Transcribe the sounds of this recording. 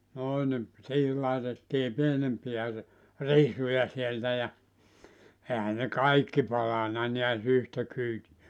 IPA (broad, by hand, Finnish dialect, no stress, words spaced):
noi nim siːhil lɑetetːiː pienempiæ r risujɑ sieltæ jɑ ehæ ne kɑikːi pɑlɑnɑ niæs yhtæ kyːtiæ